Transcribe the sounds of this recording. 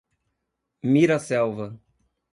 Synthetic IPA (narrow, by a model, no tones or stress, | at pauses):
miɾɐsɛwvɐ